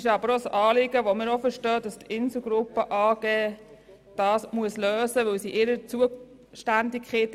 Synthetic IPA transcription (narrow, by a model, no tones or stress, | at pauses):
ʃɑbəɾosɑːlɪɡəʋomɪɾofəɾʃtœːdɑstʰɪnsl̩ɡɾʊpːəʔɑːɡ̥eː | d̥ɑːsmuəsløːsəʋɵwsiʔɪɾət͡suə | ʃtændɪkχet